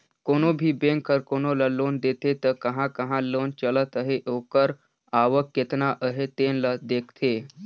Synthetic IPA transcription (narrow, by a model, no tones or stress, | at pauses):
koñobʱiːbeŋkʰːəɾkonoləlond̪et̪et̪əkəɦãkəɦãlont͡ɕələt̪əɦeʔokəɾ | aʋəkjet̪naʔəɦet̪enləd̪ekʰt̪ʰe